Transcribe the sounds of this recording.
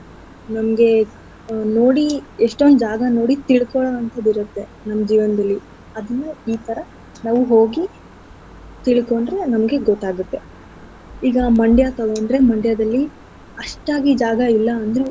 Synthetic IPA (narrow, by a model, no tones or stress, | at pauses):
nɐmɐɡe̞ | noːɽieʂʈond̪ud͡ʒaːɡɐno̞ːɽit̪iɭkɔɭɐʋɐnt̪ʰɐd̪iɾut̪ːe̞nɐmːɐd͡ʒiːʋɐnɐd̪ɐlːi | ɐd̪ɐnːuiːt̪ʰɐɾɐ | naːʋuɦo̞ːɡi | t̪iɭkoɳɖɾe̞nɐmɐɡe̞ɡɔt̪ːaːɡut̪ːe̞ | iːɡɐmɐɳɖjat̪ɐɡoɳɖɾe̞mɐɳɖjɐd̪ɐlːi | ɐʂʈaːɡid͡ʒaːɡɐilːɐːnd̪ɾu